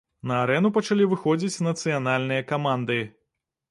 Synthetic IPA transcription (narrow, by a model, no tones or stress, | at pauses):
nɐːɾɛnupɐt͡ʂalʲivɨxɔd͡zʲit͡sʲnɐt̪sɨjanalʲnɨjɐkamand̪ɨ